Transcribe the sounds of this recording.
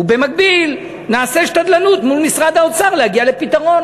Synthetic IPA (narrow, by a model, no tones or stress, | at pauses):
ube̞mak̚bil | naːseʃtad̪lanut̪mulmisʁad̪aot͡saʁlehaɡialepit̪aʁo̞n